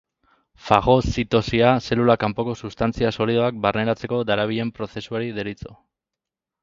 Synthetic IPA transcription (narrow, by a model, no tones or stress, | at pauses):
faɣo̞sit̪o̞siase̞lulakampo̞ko̞sust̪ant͡siaso̞liðoak̚barne̞ɾat͡se̞ko̞d̪aɾaβ̞iʎe̞mpɾo̞θe̞suaɾiðe̞ɾit͡so̞